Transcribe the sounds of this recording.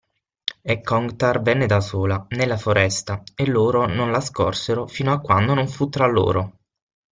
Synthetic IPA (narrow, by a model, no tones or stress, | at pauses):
ekːɔŋɡt̪arvɛnːed̪asoːlanelːafoɾɛst̪aelːoːɾononlaskɔ̰rseɾofiːnoakːwand̪onoɱfut̪ːɾalːo̰ːɾo